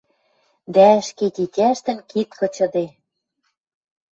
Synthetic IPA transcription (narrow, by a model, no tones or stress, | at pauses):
d̪æɘ̆ʃket̪ʲitʲæʃt̪ɘ̆nkit̪kɤ̆t͡ɕɤ̆d̪e